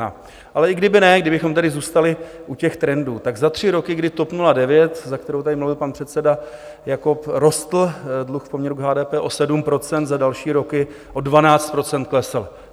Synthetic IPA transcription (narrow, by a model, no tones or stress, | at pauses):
a̰ | ʔalɛɪɡdɪbɪnɛɡdɪbɪxo̞mt̪ɛdɪzuːst̪alɪʔucɛxt̪ɾɛnduːt̪aɡzat̪r̝̥ɪɾo̞kɪɡdɪt̪o̞pnuladɛvjɛt̪zak̚t̪ɛɾowt̪adɪmluvɪlpanpr̝̥ɛt̪sɛda | jako̞pɾo̞st̪l̩dluxfpomɲɛɾuɡɦaːdɛːpɛːʔo̞sɛdumpɾo̞t͡sɛnt̪zadalʃiːɾo̞kɪ | ʔo̞dvanaːt͡st̪pɾo̞t͡sɛnt̪̚klɛsl